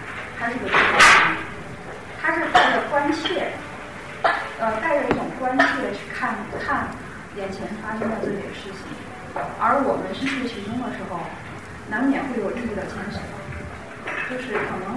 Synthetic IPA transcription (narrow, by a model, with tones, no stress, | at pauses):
t̪ʰa˧˥ʂɻ̩˥˧˩o˨˩i˥˩a˥˩i˧˥n˨ | t̪ʰa˥ʂɻ̩˥˧t̪a˥˩ɪʈ͡ʂə˨˩kwa˥nt͡ɕʰjɛ˥˩ | ə˧t̪a˥˧ɪʈ͡ʂo˥˧˩i˥˩ʊ˨˩ŋkwa˥nɕʰjɛ˥˩d̪ə˩t͡ɕʰy˥˧kʰa˥˧nkʰa˥˩n | jɛ˨˩nt͡ɕʰjɛ˧˥nfa˥ʂə˥ŋd̪ə˧ʈ͡ʂə˥˩t͡ɕɛ̰˨˩d̪ə˦ʂɻ̩˥˩t͡ɕʰḭ˨˩ŋ | ə˞˧˥wɔ˨˩mə˦nʂə˥nt͡ɕʰy˥˩t͡ɕʰi˧˥ʈ͡ʂʊ˥ŋd̪ə˨ʂɻ̩˧˥xo˥˧˩ʊ | na˧˥nmjɛ˨˩xwe˥˩ɪjo˨˩ʊli˥˧˩i˥˩d̪ə˩t͡ɕʰi˧˥ŋʂə˧˥˦ | t͡ɕjo˥˧ʊʂɻ̩˥˩kʰɤ˨˩nɤ˧˥ŋ